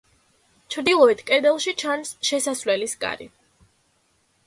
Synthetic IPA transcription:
t͡ʃʰɾd̪ilˠɔit̪ʰkʼɛd̪ɛlˠʃit͡ʃʰansʃɛsasvlɛlisɡa̰ɾḭ

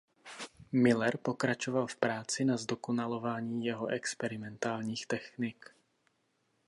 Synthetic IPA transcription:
mɪlɛɾpo̞kɾat͡ʃo̞valfpɾaːt͡sɪnazdo̞ko̞nalo̞vaːɲiːjɛɦo̞ʔɛkspɛɾɪmɛnt̪aːlɲiːxt̪ɛxnɪk

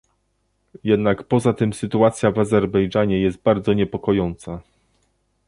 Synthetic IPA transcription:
jɛd̪nakpɔzat̪ɘmsɘt̪uat̪sʲjavazɛɾbɛjd͡ʐaɲɛjɛst̪̚baɾd̪zɔɲɛpɔkɔjɔnt̪sa

